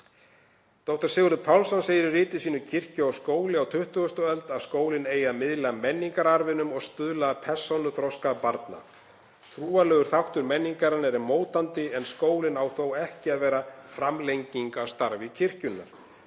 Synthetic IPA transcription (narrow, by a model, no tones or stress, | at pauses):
t̪owht̪ḁsɪːɣʏɾðʏpʰawlsanseːjɾɪrɪːt̪ɪ̥siːnʏcʰɪr̥cʏawskoːwlɪawt̪ʰʏht̪ʏɣʏst̪ɔɛlt̪aðskoːwlɪneːjamɪðlaamɛnːiŋkaɾaɾvɪnʏmɔɣst̪ʏðlapʰɛ̥sownʏθɾɔskapaɾt̪na̰ | θʰɾuːalœːɣʏɾ̥θawht̪ʏɾmɛnːiŋkaɾanɛɾɪmoːwt̪ant̪ɪɛnskoːwlɪnawθowɛhcɪaðvɛːɾafɾamlejɲciŋkast̪aɾvɪcʰɪr̥cʏnːa̰ɾ̥